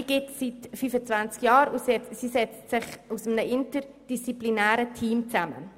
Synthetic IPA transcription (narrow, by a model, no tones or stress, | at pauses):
iɡ̥ɪtsitfyːfət͡svant͡skjɑːɾusɛsisɛt͡stsɪχusəmnəʔɪntəɾd̥ist͡siplinæːɾətʰiːmt͡sæmə̰